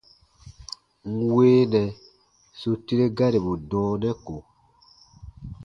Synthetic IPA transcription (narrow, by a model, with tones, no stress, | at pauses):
ŋ̩˨weː˦nɛ˨ | so˨ti˦ɾe˦ɡa˦ɾi˨bu˨dɔ̃ː˨˦nɛ˦ko˨